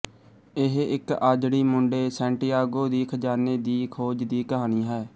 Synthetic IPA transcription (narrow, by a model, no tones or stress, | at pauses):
ɪɦɪkaːd͡ʒɽiːmʊɳɖeːsɛ̃ːɳʈiːaːɡoːd̪iːkʰd͡ʒaːneːd̪iːkʰoːd͡ʒd̪iːkəɦaːniːɦɛː